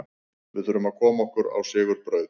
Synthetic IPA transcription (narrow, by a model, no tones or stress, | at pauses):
vɪðθʏɾʏmaðkʰɔːmaɔhkʏɾa̰wsɪːɣʏɾpɾœːɥð